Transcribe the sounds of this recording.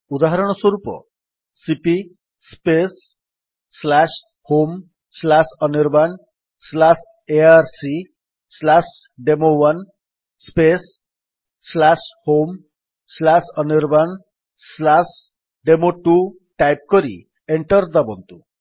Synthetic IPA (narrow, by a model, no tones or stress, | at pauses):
ud̪aɦaɾɔɽ̃ɔswɔɾupɔ̰ | sipi | spesː | las | hom | slasɔniɾban | slas | eaɾsi | slasɖemowan | spesː | lashom | slasɔniɾban | slas | ɖemoʈu | ʈajp̚kɔɾḭ | eɳʈɔɾd̪abɔnt̪u